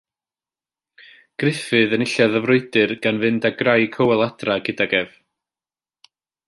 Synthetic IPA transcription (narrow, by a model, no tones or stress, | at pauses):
ɡ̥rɪfɨðənɪɬaðəvrʊɨdɨrɡ̥anvɨndaɡrajkʰəwɛlˠad̥raɡɪdaɡɛv